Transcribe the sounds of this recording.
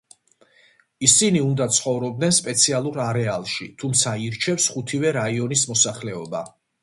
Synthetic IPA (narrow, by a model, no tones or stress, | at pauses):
isiniund̪at̪sʰχɔvɾɔb̚d̪nɛnspʼɛt̪sʰialˠuɾaɾɛalˠʃit̪ʰumt̪sʰaiɾt͡ʃʰɛfsχut̪ʰivɛɾaiɔnismɔsaχlɛɔba̰